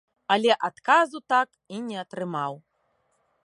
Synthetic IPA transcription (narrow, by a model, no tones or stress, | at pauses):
alʲɛʔat̪kazut̪ak | inʲɛɐt̪ɾɨmaw